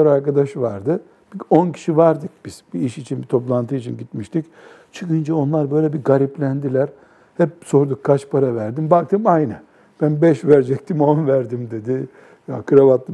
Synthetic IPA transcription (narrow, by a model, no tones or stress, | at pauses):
aɾaɾkad̪aʃɯvaɾd̪ɯ | bio̞ncʰi̥ʃivaɾd̪ɯk̚b̥iz̥biiʃit͡ʃʰinbit̪ʰo̞plˠant̪ʰɯit͡ʃʰinɟit̪miʃt̪ic | t͡ʃʰɯkɯnd͡ʒao̞nlˠaɾbø̞jlʲɛbiɡaɾiplʲænd̪ilʲæɾ | hɛp̚so̞ɾd̪ukkʰːat͡ʃpʰaɾavæɾd̪imbak̚t̪ʰɯmajnɛ | b̥ænbɛʃvæɾd͡ʒɛc̚t̪ʰimo̞nvæɾd̪imd̪e̞d̪i | jakʰɯɾavat̪ːˠɯ